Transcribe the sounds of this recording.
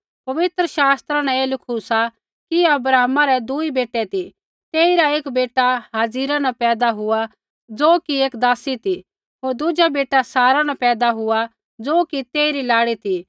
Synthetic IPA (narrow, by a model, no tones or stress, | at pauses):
pɐʋɪt̪ɾəʃaːst̪ɾãnɛ̃eːlɪkʰusa | kiɐbɾaːɦmãɾɛd̪uibeːʈːɛt̪i | t̪eːiɾaeːkbeːʈaɦaːziːɾanapɛːd̪aɦʊa | d͡zoːkieːkd̪aːsit̪i | ɦoːɾd̪ʊd͡ʒabeːʈasaːɾanapɛːd̪aɦʊa | d͡zoːkit̪eːiɾilaːɽit̪ʰi